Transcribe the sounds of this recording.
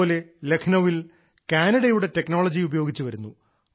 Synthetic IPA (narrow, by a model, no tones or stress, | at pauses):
le̞le̞kʰɐnɐʋil | kaːnɐɽɐjuɽe̞te̞knoːɭɐd͡ʑiubɐjo̞ːɡit͡ɕːɨʋɐɾunːu